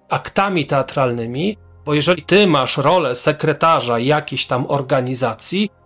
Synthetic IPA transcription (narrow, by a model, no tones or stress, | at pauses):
akt̪amʲit̪ɛat̪ɾalnɘmʲi | b̥ɔjɛʐɛit̪ɘmaʂɾɔlɛsɛkɾɛt̪aʐajakʲeɕt̪amɔɾɡaɲizat̪sʲji